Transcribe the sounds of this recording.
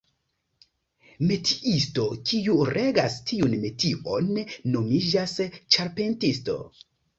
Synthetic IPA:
me̞tʰi̥ʔisto̞kʰiuɾʔeɡastʰiunme̞tʰiʔonːomid͡ʒast͡ʃaɾpe̞ntisto̞̰

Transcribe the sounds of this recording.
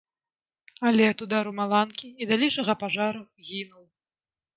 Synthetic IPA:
alʲɛt̪ud̪aɾumalˠankʲiːd̪alʲiʂɐɣɐpaʐaɾuɣʲinuw

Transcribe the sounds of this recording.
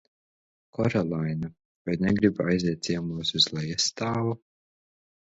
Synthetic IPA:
kʰɔɾɔlˠajna | vaj̪nʲɛɡɾiba̰jziɛt̪t̪siɛmuːsuz̥lˠajist̪aːvu

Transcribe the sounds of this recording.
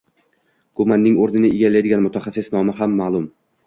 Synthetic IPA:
kʰomanːɪŋoɾnɪnɪeɡʲalːajd̪ɪɡʲanmʊt̪ʰaχasːɪsnɒmaɦamːaːlˠʊm

